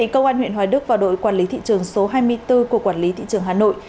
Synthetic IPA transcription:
ḭ˧˨kə˧wŋ͡mʔaː˧nw̰ənhwaː˨˩jɗɨ˦˥k̚vaː˨˩wɗo̰˧˨jkwaː˧˩nli˨˦t̪ʰḭ˧˨t͡ɕɨ˨˩əŋso˨˦ɦaː˧jmɨ˧əjt̪ɨ˧ku˧˩əkwaː˧˩nli˨˦t̪ʰḭ˧˨t͡ɕɨ˨˩əŋɦaː˨˩no̰˧˨j

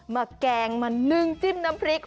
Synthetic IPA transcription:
maː˨˩kaː˨˩ŋmaː˨˩nɨ˧ŋt͡ɕi˦˥p̚na˨˧˦mpɾi˨˦k

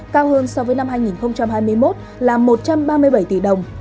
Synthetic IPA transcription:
kaː˧whəː˧nsɔ˧vəː˨˦jna˧mɦaː˧jŋi˨˩nxə˧wŋ͡mt͡ɕa˧mhaː˧jmɨ˧əjmo˦˥t̚ | laː˨˩mo˨˩t̚t͡ɕa˧mɓaː˧mɨ˧əjɓa˧˩jt̪ḭ˧˩ɗə˨˩wŋ͡m

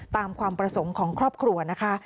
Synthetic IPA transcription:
t̪aː˧mkʰwaː˧mpɾa˧so˩˦ŋkʰɔː˩˦ŋkʰɾɔː˥˩p̚kʰɾu˧ɐna˦˥kʰa˦˥

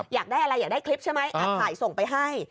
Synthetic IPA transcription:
jaː˨˩k̚daː˥˩jʔa˧ɾa˧jːaː˨˩daː˥˩jkʰli˦˥p̚t͡ɕʰa˥˩jma˦˥jʔa˨˧kʰaː˩˦jso˨˩ŋpa˧jɦa˥˩j

